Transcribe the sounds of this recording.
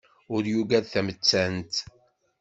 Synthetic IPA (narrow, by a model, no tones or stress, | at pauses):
ʊɾjuɡæðθæmət͡sːænt̪